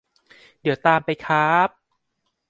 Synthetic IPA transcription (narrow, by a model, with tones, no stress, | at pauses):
di˨˦wt̪aː˧mpa˧jkʰaː˦˥p̚